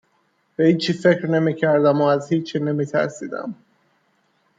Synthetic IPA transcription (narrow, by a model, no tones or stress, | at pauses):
b̥ehiːt͡ʃʰiːfe̞cɾne̞miːcʰæɾd̪æmoːæzhiːt͡ʃʰːiːne̞miːt̪ʰæ̰ɾsḭːd̪æ̰m